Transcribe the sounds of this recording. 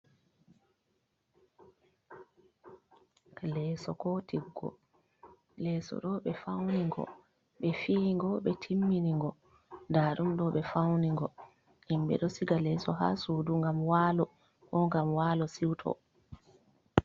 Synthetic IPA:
lɛːsɔkɔtiɡːɔ̰ | lɛsɔ̰ɗɔɓɛfawniŋɡɔ̰ | ɓɛfiːŋɡɔɓɛtʰimːiniŋɡɔ | daːɗumɗɔɓɛfawniŋɡɔ | ʔimɓɛ̰ɗɔsiɡalɛsɔɦa̰suːduŋɡamwalɔ | ʔɔŋɡamwaːlɔsiwtʰɔ̰

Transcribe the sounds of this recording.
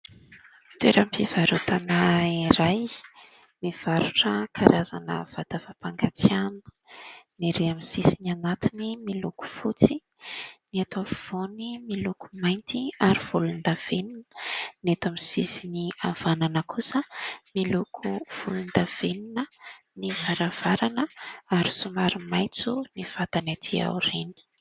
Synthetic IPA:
t̪weɾamfiv̥aɾut̪anaiɾaj | miv̥aɾuʈ͡ʂəkʰaɾaza̰nə̰v̥ad̪̥avapaŋɡat͡sjanə̥ | niɾeamisisinanat̪inimiluku̥fut͡si | niat̪av̥onimiluku̥majnt̪iaɾiv̥ulund̪av̥eninə̥net̪amisisiniavananəkʰusəmilukʰuv̥ulund̪av̥eninə | nivaɾav̥aɾanəaɾisumaɾimajt͡sunifat̪anat̪ʰia̰wɾinə̥

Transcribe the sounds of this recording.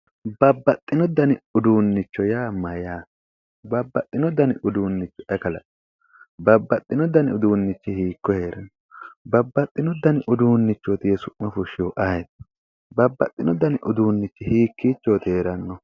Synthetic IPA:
bɐbːɐt̪ʼːɪnɔd̪ɐnɪʊd̪uːnːɪt͡ʃːɔjaːmɐjaː | bɐbːɐt̪ʼːɪnɔd̪ɐnɪʔʊd̪uːnːɪt͡ʃːɔ̥ɛkɐlɐ̰ᶑ | bɐbːɐt̪ʼːɪnɔd̪ɐnɪʊd̪uːnːɪt͡ʃːɛhiːkːɔhe̞ːɾɐnːɔbɐbːɐt̪ʼːɪnɔd̪ɐnɪʔʊd̪uːnːɪt͡ʃːot̪ɪjɛsʊʔmːɐfʊʃɪjoʔɐjɛt̪ | bɐbːɐ̰t̪ʼːɪnɔd̪ɐnɪʔʊd̪uːnːɪt͡ʃːɛhiːkːiːt͡ʃːoːt̪eːɾɐnːɔ

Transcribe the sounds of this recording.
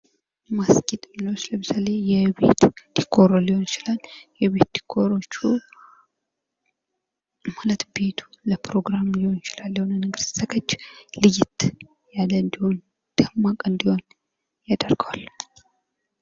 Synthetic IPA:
maskʼet̪ʼmɨnwot͡ʃːləmɨsale̞jɛβḛt̪d̪̥ikʰːo̞ɾoliho̞nt͡ʃɪlaljɛβe̞t̪d̪̥i̥kʰːoɾo̞t͡ʃːu | malət̪be̞t̪ʰu̥ləpɾo̞ɡɾamliho̞nt͡ʃɪlalːihonɨnɨɡɨɾsəkʼət͡ʃːlɨjɪt̪ | jalːənd̪iho̞n | d̪̥əmːakʼɨnd̪iho̞n | jad̪ərɡəwal

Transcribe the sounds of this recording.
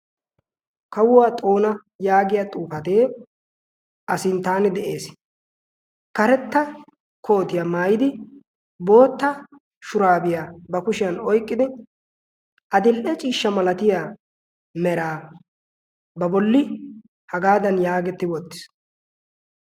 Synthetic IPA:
kɐwʊwaːt̪ʼo̞ːnɐ | jaːɡɪjat̪ʼuːfɐt̪e̞ː | ʔɐsɪnt̪aːnɪd̪ɛʔe̞ːs | kɐɾɛt̪ːɐ | kʰo̞ːt̪ɪjɐmaːjɪd̪ɪ | bo̞ːt̪ːɐ | ʃʊɾaːbɪjaːbɐkʊʃɪjɐnɔjkʼːɪd̪ɪ | ʔɐd̪ɪlʔɛt͡ʃʼiːʃːɐmɐlɐt̪ɪjaː | mɛɾaː | bɐbɔlːɪ | hɐɡaːd̪ɐnjaːɡɛt̪ːɪwɔt̪ːɪ̥s

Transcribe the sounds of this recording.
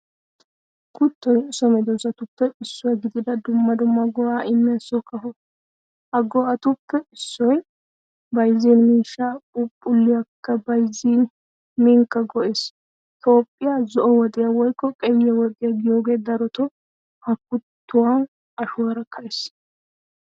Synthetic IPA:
kʰʊt̪ːɔjsɔmɛd̪ɔzɐt̪ʊpːɛɪsːʊaɡɪd̪ɪd̪ɐd̪ʊmːɐd̪ʊmːɐɡɔʔaːʔɪmːɪjɐsːɔkɐɦɔ | hɐɡɔʔɐt̪ʊpːɛɪsːɔj | bɐjziːnmiːʃːaʊpʼːʊlːɪjɐkːɐbɐjziːn | mɪŋkːɐɡɔʔeːs | t̪ʰo̞ːpʼːɪjazɔʔɔwɔd̪ʼɪjɐwɔjkːɔkʼɛjːɛwɔd̪ʼɪjɐɡɪjoːɡe̞ːd̪ɐɾɔt̪ɔ | hɐkːʊt̪ːʊwɐn | ɐʃʊwɐɾɐkʰːɐjs

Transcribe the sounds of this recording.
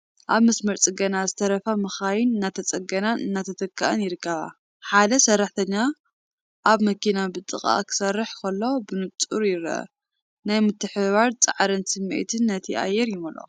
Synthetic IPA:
ʔaβmɐsmɐɾt͡sʼɨɡɐnazɨt̪ʰɐɾɐfamɨxajɪnɨnːat̪ʰɐt͡sʼɐɡɐnanʔɨnːat̪ʰɐt̪ʰɐkʰːaʔɐ̰njɪɾɨkːɐβa̰ | ħad̪ɐsɐrːaħt̪ʰɐɲːa | ʔaβmɐkinabɨt̪ʼɨχʼa̰kʰɨ̥sɐrːɨħkʰɐlːo̞bɨnɨt͡sʼuɾjɪɾ̰ɐ̰ | najmɨt̪ʰːɨħɨβaɾt͡sʼa̰ʕɾɨnsɨmːḛt̪ʰɨnːɐt̪ʰiʔa̰jːɛɾjɪmɐlo̰

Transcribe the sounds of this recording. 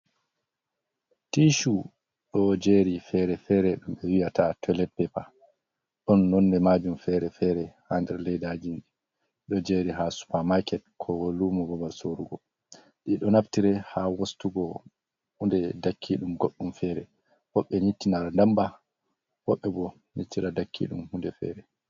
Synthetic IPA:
tiʃu | ɗɔd͡ʒeɾifɛɾɛfɛɾɛɗumɓɛwijatatʰɛlɛpːɛpa | ɗɔnːɔnːɛmad͡ʒumfɛɾɛfɛɾɛhandɛɾlɛjdad͡ʒi | ɗɔd͡ʒeɾiɦasu̥pamajkɛt̚kʰɔwolːumɔbɔbalsoɾuɡɔ | ɗiɗɔnaftiɾɛhawostuɡɔ | hundɛdakʰːiɗumɡoɗːumfɛɾɛ | hɔɓːɛɲitːinaɾandamba | wɔɓːɛbɔ | ɲitːiɾadakʰːḭɗumhundɛfɛ̰ɾɛ

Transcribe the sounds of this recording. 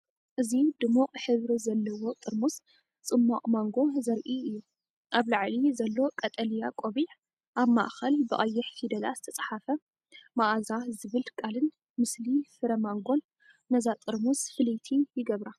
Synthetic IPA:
ʔɨzid̪ɨmuqʼħɨβɾizɐlːɐwot̪ʼɨɾmus | t͡sʼɨmːaqʼmaŋɡo̞zɐɾʔiɨjːu | ʔaβlaʕlizɐlːo̞kʼɐt̪ʼɐljakʼoβiħ | ʔaβma̰ʔxɐlbɨʔʼɐjːɛħhid̪ɐla̰zɨ̥t̪ʰɐt͡sʼḁħafɐ | maʔazazɨβɨlkʼalɨn | mɨslifɨɾɐmaŋɡon | mɐzat̪ʼɨɾmusfɨlit̪ʰijɪɡɐβɾa

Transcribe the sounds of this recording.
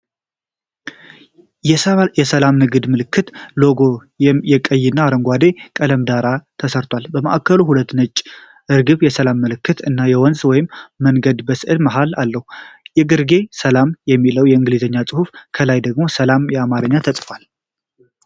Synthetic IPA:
jɛsəlamnɨɡɨd̪mɨlɨkʰːɨt̪lo̞ɡo̞ | jɛkʼəjːɪnːaːɾəŋɡʷad̪e̞kʼələmd̪aɾat̪ʰəsəɾt̪ʰwalbəməʔakːəluɦulət̪ːnɨt͡ʃʼː | ɨɾɡɨβjɛsəlamːɨlɨkːɨt̪ɨnːajɛwɔnzwɔjɪmːəŋɡəd̪bəsʔɨlmaɦalalːəhujɛɡɨɾɡe̞səlamjɛmːiləwjɛɨŋɡlizəɲːasʼɨhufkʰəlajd̪əɡmo̞səlamjɛamaɾɨɲːat̪ʰəsʼfal

